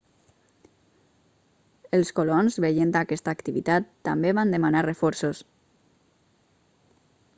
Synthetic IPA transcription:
əlˠskolonzβəʎend̪akɛst̪aːkt̪iβit̪at̪ːambeβand̪əmanarəfɔɾsos

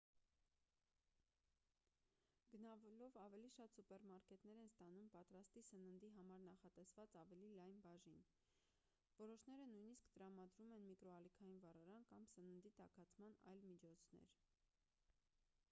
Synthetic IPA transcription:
ɡənɑvɛlɔvɑvɛliʃɑt̪supɛɾmɑɾkɛt̪nɛɾɛnst̪ɑnumpɑt̪ɾɑst̪isənənd̪iɦɑmɑɾnɑχɑt̪ɛsvɑt͡sɑvɛlilɑjnbɑʒin | vɔɾɔʃnɛɾənujniskt̪əɾɑmɑd̪ɾumɛnmikɾɔɑlikʰɑjinvɑrɑɾɑnkɑmsənənd̪it̪ɑ̰kʰɑt͡sʰmɑnɑ̰jlmit͡ʃʰɔt͡sʰnɛ̰ɾ

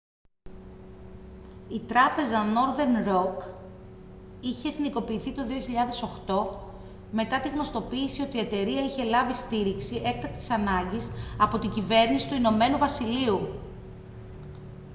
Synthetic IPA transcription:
it̪ɾɐpe̞zɐno̞ɾðe̞nɾo̞k | içeːθniko̞piːθit̪o̞ðio̞çiʎɐðe̞so̞xt̪o̞ | me̞t̪ɐt̪iɣno̞st̪o̞piːsio̞t̪ie̞t̪e̞ɾiɐiçe̞lɐvist̪iɾiksiʔek̚t̪ɐk̚t̪i̥sɐnɐɲɟisɐpo̞t̪iɲɟive̞ɾnisi̥t̪uino̞me̞nuvɐsiliu

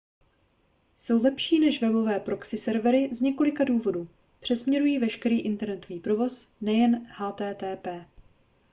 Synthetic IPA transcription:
so̞wlɛpʃiːnɛʃvɛbo̞vɛːpɾoksɪsɛɾvɛɾɪzɲɛko̞lɪkaduːvo̞duː | pr̥ɛsmɲɛɾujiːvɛʃkɛɾiːʔɪnt̪ɛɾnɛt̪oviːpɾo̞vo̞snɛjɛnhaːt̪ɛːt̪ɛːpɛː

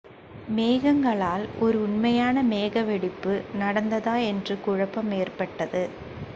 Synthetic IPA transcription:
meːɣɐŋɡɐɭaːlɔɾɯʊɳmɐjaːnɐmeːɣɐʋɛɽɪpːɯnɐɽɐnd̪ɐðaːɛndrɯkʊɻɐpːɐmeːrpɐʈːɐðɯ

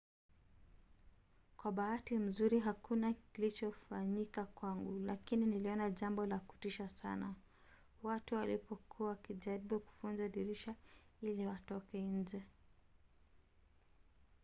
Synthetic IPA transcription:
kwaɓaatim̩zuɾiɦakunakilit͡ʃɔfaɲikakwaŋɡulakininiliɔnaʄambɔlaku̥tiʃasa̰na | watuwalipɔkʰuawakiʄaɾiɓuku̥funzaɗiɾiʃailiwatɔkɛiɲd͡ʒɛ

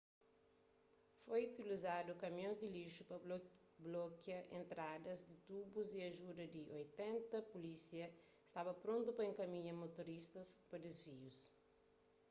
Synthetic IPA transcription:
fojut̪ilizadʊkɐmjõzd̪ɪliʃupɐ | blokjɐʔẽnt̪ɾad̪ɐzd̪it̪ubuziɐʒudɐd̪iʔojt̪ɛ̃nt̪ɐpulisiɐ | ɪ̥st̪abɐpɾõnt̪upɐẽŋkɐmĩɲɐmot̪oɾist̪ɐspɐd̪ezvius

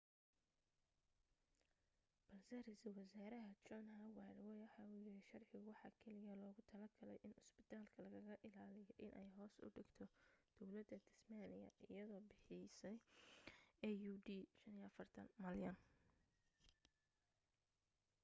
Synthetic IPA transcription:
b̥ɐlsɛrɛjsɐlwɐsaːɾɐɦɐt͡ʃɔnɦɐwɑɾwɛjwɑħɑːujɪɾɪʃɐrʕɪɣʊwɑħɑːkʰɛlɪjɐlɔːɣʊt̪ʰɐlɐɡɐlɛ̰jʔɪnɪsbɪt̪ʰaːlkʰɐlɐɣɐɣɐʔɪlaːlɪjɔʔɪnʔɛjɦɔːsʊ̰ɖɪɡt̪ʰɔd̪̥ɔwlɐd̪ɐd̪ʰɪsmaːnɪjɐ̰ʔɪjɐðɔːbɪħɪsɛj | ɛjuːdiːʃɐniɐfɐrt̪ʰɐ̰nmɐljɐn

